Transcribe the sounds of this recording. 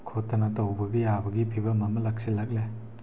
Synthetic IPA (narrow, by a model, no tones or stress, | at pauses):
kʰotːɐnɐtɐwbɐɡijabɐɡipʰibɐmɐmɐlɐk̚silɐk̚le